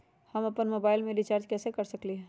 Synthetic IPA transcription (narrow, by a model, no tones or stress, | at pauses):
hɐmɐpənmoːbaːɪlmẽlit͡ʃaːɾd͡ʒkɛːsekɐɾsɐkliɦɛː